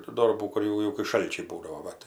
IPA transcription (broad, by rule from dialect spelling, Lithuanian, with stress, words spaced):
tuː ˈdoːrbuː kʊr ˈjɛʊ jɛʊ kɐɪ ˈʃɐlʲt͡ʃʲɛɪ ˈbuːdɐʋoː ˈʋɐ tɐɪ